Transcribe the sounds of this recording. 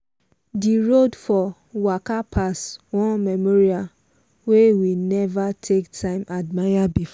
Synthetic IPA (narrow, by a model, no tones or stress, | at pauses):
diɹodfɔ | wakapʰaswɔ̃nmɛmɔɹia | wewinɛvatʰektʰãɪ̃mʔadmajabifɔ